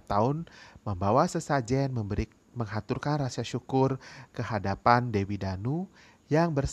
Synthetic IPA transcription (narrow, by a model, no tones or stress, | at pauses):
t̪aʊnməmbawasəsad͡ʒɛnmə | məŋɦat̪urkanrasiaʃukʊrkəɦadapandewidanu | jaŋbərs